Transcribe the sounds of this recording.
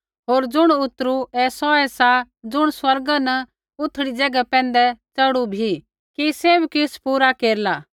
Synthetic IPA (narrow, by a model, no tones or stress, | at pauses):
ɦoːɾd͡zʊɽ̃ʊt̪ːɾuɛsɔɛsa | d͡zʊɽ̃swɐɾɡanɐ | ʊt̪ʰːɽid͡ʒɛːɡapɛ̃ːnd̪ɛt͡sɐɽubʱi | kiseːbkɪspuːɾakeːɾlaː